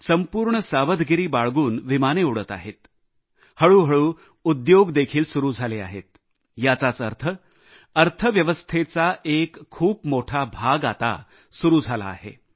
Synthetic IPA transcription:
səmpuːɾɳəsaʋəd̪ɡiɾiːbaɭɡuːnʋimaneuɽət̪a̰ɦet̪ | həɭuːɦəɭuː | ud̪joɡd̪ekʰiːlsuɾuːd͡zʱalea̰ɦḛt̪̚ | jat͡sat͡səɾt̪ʰə | əɾt̪ʰəʋjəʋəst̪ʰet͡saʔekʰːuːpmoʈʰabʱaɡat̪a̰ | suɾuːd͡zʱala̰ːɦḛ

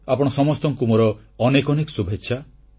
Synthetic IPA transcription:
apɔɽ̃ɔsɔmɔst̪ɔŋkumɔɾɔ | ɔnekɔnekɔ̥subʱetːʃʰa

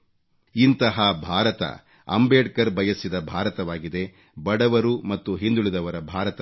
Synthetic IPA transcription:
int̪ɐɦɐbʱaːɾɐt̪ɐ̰ | ɐ̰mbeːɖkɐɾbɐjɐsːid̪ɐbʱaːɾɐt̪ɐʋaːɡid̪e̞ | bɐɽɐʋɐɾumɐt̪ːuɦind̪uɭid̪ɐʋɐɾɐbʱaːɾɐt̪ɐ

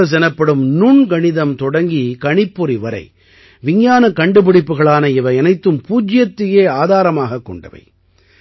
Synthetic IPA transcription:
ɐs̬ɛnɐpːɐɽɯmnuɳɡɐɳɪðɐmt̪ɔɽɐŋɡikɐɳɪpːɔɾiʋɐɾɐ̰ɪ | ʋɪɲjaːnɐkːɐɳɖɯpɪɽɪpːɯɣɐɭaːnɐɪʋɐɪɛnɐɪt̪ːɯmpuːd͡ʒɪjɐt̪ːɪjeːaːðaːɾɐmaːɣɐkːɔ̰ɳɖɐ̰ʋɐ̰ɪ

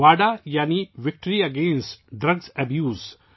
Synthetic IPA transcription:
aːɖajaːniʋɪk̚ʈəɾiɐɡẽːnsʈɖɾɐɡzɐbjuːz

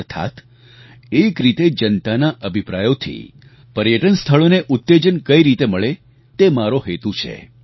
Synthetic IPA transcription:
ɾt̪ʰa̰t̪ | ekɾit̪ed͡ʒənt̪anaʔəbʱipɾajot̪ʰḭ | pəɾjəʈənst̪ʰəɭoneʔʊt̪ːed͡ʒənkəiɾit̪eməɭe | t̪emaɾoɦet̪ut͡ʃʰḛ

